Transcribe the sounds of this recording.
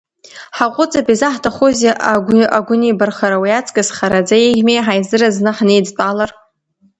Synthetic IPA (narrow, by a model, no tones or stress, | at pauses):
ħaqʷʼʊt͡sʼapizaħtʰaχozeʔaaɡʷʊnibarχaɾawiat͡sʼkʼasχaɾad͡zaeʁʲmejħajzɨraznɨħnejd͡zpʼalar